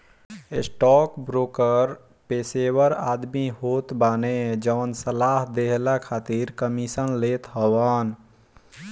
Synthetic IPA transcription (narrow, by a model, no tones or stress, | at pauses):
esʈɔkbɾokəɾ | pesewəɾad̪miɦot̪baned͡ʒəʋənsəlaɦd̪eɦlakʰat̪iɾkəmisənlet̪ɦəwən